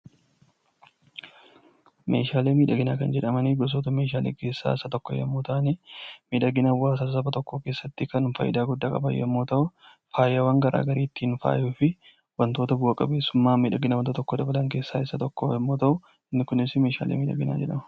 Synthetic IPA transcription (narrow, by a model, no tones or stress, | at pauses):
mʔe̞ːʃaːleːmiːᶑɐɡɪnaːkɐnd͡ʒɛᶑɐmɐniɡɔs̬oːt̪ɐme̞ːʃ̬aːleːke̞ːsːa̰ːɪsɐt̪ɔkːɔjɐ̰mːoːt̪aʔniːmiːᶑɐɡɪnɐbʊaːsɐsɐbɐt̪ɔkːoːkeːsːɐt̪ːɪkɐnʊfɐ̰jːɪ̰d̪aːɡʊd̪ːaːkʼɐ̰bɐ̰jːɐ̰mːoːt̪ɐʔʊ | faːjɐwɐŋɡɐɾʔa̰ːɡɐɾiːt̪ːiːnfa̰ːjuːfɪ | wɐnt̪oːt̪ɐbʊɐkʼɐbe̞ːsːʊmːaːmiːᶑɐɡɪnɐwɐnt̪ot̪ɔkːod̪ɐbɐlɐŋke̞ːsːaːɪsːɐt̪ɔkːo̰jɐmːoːt̪ɐʔʊ | ɪnːɪkʊnɪsmeːʃa̰ːlḛːmiːᶑɐ̰ɡɪna̰ːd͡ʒɛᶑɐmɐ̥